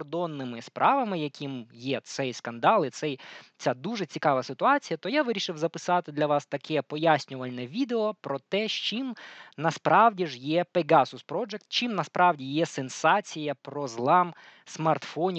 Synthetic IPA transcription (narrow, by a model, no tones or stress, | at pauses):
rd̪ɔnːɪmɪspɾʔɑʋɐmɪjɐkʰʲimjɛt̪sɛjskɐnd̪ɑlˠɪt̪sɛjt͡sʲad̪uʐɛt͡sʲikɑʋɐsɪt̪ʊɑt͡sʲijɐt̪ɔjaʋɪɾʲiʃɪwzɐpɪsɑt̪ɪd̪lʲɐʋɑst̪ɐkʰɛpɔjasʲnʲʊʋɐlʲnɛʋʲid̪eɔpɾɔt̪ɛʃt͡ʃimnɐspɾʔɑwdʲiʒjɛpeɡasʊspɾɔd͡ʒɛk̚t̪t͡ʃimnɐspɾʔɑwdʲijɛsensɑt͡sʲijɐpɾɔzlˠɑm | smɐrt̪fɔnʲ